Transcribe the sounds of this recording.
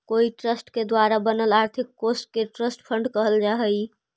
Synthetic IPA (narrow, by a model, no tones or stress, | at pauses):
koiʈɾəsʈked̪waɾabənəlaɾt̪ʰikːosʈ̚keʈɾəsʈpʰəɳɖkəɦəld͡ʒaɦəj